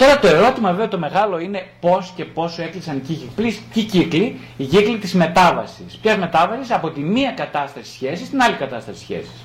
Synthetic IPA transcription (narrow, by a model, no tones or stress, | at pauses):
t̪o̞ɾɐt̪o̞e̞ɾo̞t̪imɐveet̪o̞me̞ɣɐlo̞ine̞po̞sce̞po̞se̞klisɐnicicipliscicikli | iʝiklit̪izme̞t̪ɐvɐ̰sispçɐzme̞t̪ɐvɐsisɐpo̞t̪imiɐkɐt̪ɐst̪ɐsi̥sçe̞sist̪inɐlikɐt̪ɐst̪ɐsi̥sçe̞̰si̥s